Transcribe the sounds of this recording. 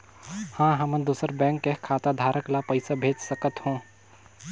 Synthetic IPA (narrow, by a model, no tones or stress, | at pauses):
hãːɦɐməd̪uːsəɾbɛ̃ːŋkːekʰːaːt̪ad̪ʱaːɾəklapəɪsabʱeːd͡ʒsəkət̪hõː